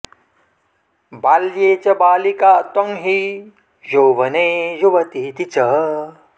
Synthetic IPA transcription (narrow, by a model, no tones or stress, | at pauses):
baljeːt͡ʃɐbaːlikaʔt̪ɔŋɦi | joːʋɐnejoʋɐt̪it̪it͡sɐ